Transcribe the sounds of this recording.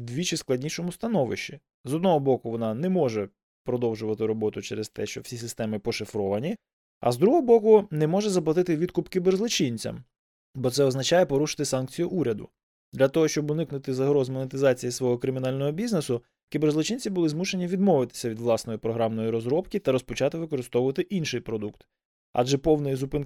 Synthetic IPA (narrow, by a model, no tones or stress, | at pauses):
d̪ʲʋʲit͡ʃɪsklˠɐdʲnʲiʃɔmʊst̪ɐnɔʋɪ̰ʃt͡ʃːi | zɔd̪nɔɦɔbɔkʊʋɔnɑnɛmɔʒɛ | pɾɔd̪ɔwʒʊʋɐt̪ɪɾɔbɔt̪ʊt͡ʃɛɾest̪ɛ̰ʃt͡ʃɔwsʲisɪst̪ɛmɪpɔʃɪfɾɔʋɐnʲi | ɐ̰zd̪ɾuɦɔbɔkʊnɛmɔʒɛzɐplˠɐt̪ɪt̪ɪʋʲid̪̚kʊpkʲiberzlˠʊt͡ʃinʲt͡sʲɐ̰m | bɔt̪sɛɔznɐt͡ʃɑjɛpɔɾuʃɪ̥t̪ɪsɑnk̚t͡sʲijʊʔuɾʲɐd̪ʊ̰ | d̪lʲɐt̪ɔɦɔʃt͡ʃɔbʊnɪknʊt̪ɪzɐɦɾɔzmɔnet̪ɪzɑt͡sʲijisʋɔɦɔkɾɪmʲinɑlʲnɔɦɔbʲiznesʊ | kʲiberzlˠʊt͡ʃinʲt͡sʲibʊlˠɪzmuʃenʲiʋʲid̪mɔʋɪt̪ɪ̥sʲɐʋʲid̪ʋlˠɑsnɔjipɾɔɦɾɑmnɔjiɾɔzɾɔbkʲit̪ɐɾɔspɔt͡ʃɑt̪ɪʋɪkɔɾɪst̪ɔʋʊʋɐt̪ɪʔinʃɪjpɾɔd̪ukt̪ | ɑ̰d͡ʒɛpɔwnɪjizupɪn